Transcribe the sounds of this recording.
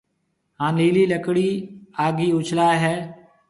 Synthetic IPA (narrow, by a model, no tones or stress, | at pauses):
ɦãːliːliːləkɽiːaːɡiːʊt͡ʃʰlaːɦɛː